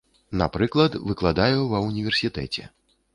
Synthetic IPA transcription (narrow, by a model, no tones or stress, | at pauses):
napɾɨklˠɐt̪vɨklˠad̪ajuvɐwnʲivʲɛrsʲit̪ɛ̰t͡sʲɛ̰